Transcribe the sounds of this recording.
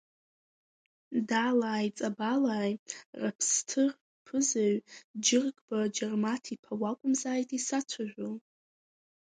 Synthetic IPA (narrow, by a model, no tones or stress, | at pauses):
dalaːjt͡sʼabalaːjrapʰstʰɨr | pʰɨzaɥd͡ʒɪrɡʼbad͡ʒarmatʰipʰawakʷʼʊmzaːjtʼisat͡ʃʷʰaʒʷᶣol